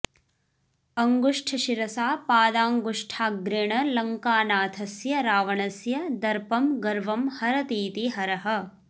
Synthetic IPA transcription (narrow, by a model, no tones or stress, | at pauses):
ɐŋɡuʂʈʰɐʃiɾɐsaːpaːd̪aːŋɡuʂʈʰaːɡɾeɳɐlɐŋkaːnaːt̪ʰɐsjɐɾaːʋɐɳɐsjɐd̪ɐɾpɐmɡɐɾʋɐmhɐɾɐt̪iːt̪iɦɐɾɐɦɐ̆